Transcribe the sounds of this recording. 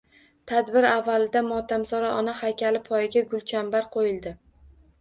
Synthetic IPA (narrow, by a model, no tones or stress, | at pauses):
t̪ʰad̪bɪɾavːalɪd̪amɒt̪ʰamsɒɾaʔɒnahajkʲalɪpʰɒjɪɡʲaɡʊlˠt͡ʃʰambaɾqʰojɪlˠd̪ɪ